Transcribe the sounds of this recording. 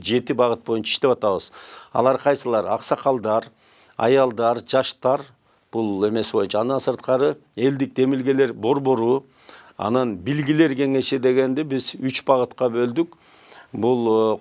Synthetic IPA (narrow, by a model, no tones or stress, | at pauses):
d͡ʒe̞t̪ibɑʁɯt̪̚bo̞junʰɑiʃt̪eɑt̪ɑβɯz̥ɑ̰lˠɑɾqʰɑjsɯlˠɑɾɑ̰qsɑqɑlˠd̪ɑɾ | ɑ̰jɑlˠd̪ɑɾd͡ʒɑʃt̪ɑɾ | b̥ulˠe̞me̞sbo̞junt͡ʃɑːnd̪ɑnsɯɾt̪qɑɾɯ | e̞ld̪ik̚d̪e̞milɡe̞le̞ɾbo̞ɾbo̞ɾu | ɑ̰nɑnbilɡile̞ɾɡe̞ŋe̞ʃid̪e̞ɡe̞nd̪ebizyt͡ʃbɑʁɯt̪qɑbø̞ld̪yk | bulˠ